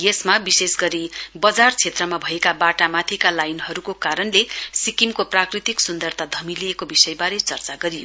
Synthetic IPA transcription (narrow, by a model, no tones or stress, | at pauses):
jesmabisesɡʌɾibʌd͡zart͡sʰet̪rʌmabʱʌekabaʈamat̪ʰikalajnɦʌɾukokaɾʌnlesikimkoprakrit̪iksund̪ʌrt̪ʰad̪ʱʌmilijekobisʌjbaɾet͡sʌrt͡saɡʌɾijo̰